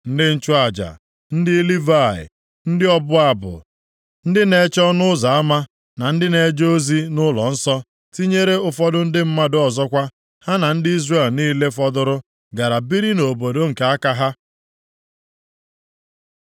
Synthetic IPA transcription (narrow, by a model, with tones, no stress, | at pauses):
n̩˦dɪ˦n̩˦t͡ʃʊ˦a˨d͡ʒa̰˨ | n̩˦dɪ˦li˦va˦˨ɪ̰˨ | n̩˦dɪ˦ɔ˦bʊ˦a˨bʊ̰˨ | n̩˦dɪ˦ne˨t͡ʃɔ˦nʊ˦za˨a˦ma˦ | na˨n̩˦dɪ˦ne˨d͡ʒo˦zi˦nʊ˦lɔ̰˨n̩˦sɔ˦ | ti˦ɲe˦ɾe˦ʊ˨fɔ˦dʊ˦n̩˦dɪ˦m̩˦ma˦dʊ˦ɔ˨zɔ˦kʷa˦ | ha˦na˨n̩˦dɪ˦i˦zre˦˨lniː˦le˦fɔ˦dʊ˦ɾʊ˦ | ɡa˨ɾa˨bi˦ɾi˦no˨bo˨do˦ŋ̩˨ke˨˦a˦ka˦ɦa˦